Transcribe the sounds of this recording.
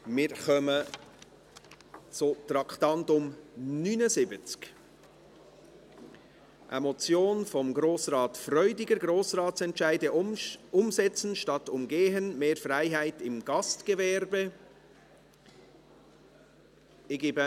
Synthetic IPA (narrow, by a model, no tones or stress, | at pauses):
mɪɾχœmə | t͡sʊtɾɑktɑntʊmnynəzɪbət͡sk | ʔə̰mɔt͡sjoːnfɔmɡɾoːsrɑːtfrœʏdɪɡəɾɡɾoːsrɑːtsɛntʃæɪdəʊmsɛt͡sn̩ʃtɑtʊmɡeːɦənmeːɾfræɪɦæɪtɪmɡ̥ɑstɡ̥əvɛɾbə | ɪɡɪbə